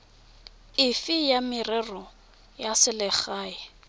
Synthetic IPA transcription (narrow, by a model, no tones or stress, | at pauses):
ɪfɪjamɪrɛrɔ | jasɪlɪχaːɪ